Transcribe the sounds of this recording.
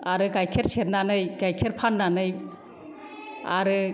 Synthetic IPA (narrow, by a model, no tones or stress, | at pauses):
aɾɯɡajkʰeɾseɾnanɯjɡajkʰeɾpʰanːanɯj | a̰ɾɯ